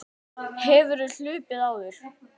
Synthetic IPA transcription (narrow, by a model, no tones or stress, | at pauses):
hɛvʏɾʏl̥ʏːpɪðaːwðʏɾ̥